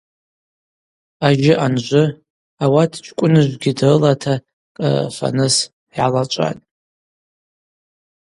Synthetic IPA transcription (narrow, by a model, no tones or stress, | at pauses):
aʒɪʔanʒʷʊ | awatʰt͡ʃʷʰʼkʷʼʊnɨʒʷɡʲɪdɨlatʰa | kʼa̰fa̰nɨs | jalat͡ʃʷʼa̰tʼ